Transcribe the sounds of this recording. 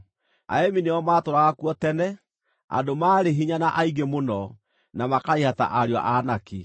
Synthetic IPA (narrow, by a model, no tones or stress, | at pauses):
a̰ɛmineɔmaːtoɾaɣakuɔtɛnɛ | a̰domaːɾeɦiɲanaʔaiɡemonɔ | namakaihata̰ʔaɾja̰ʔanaki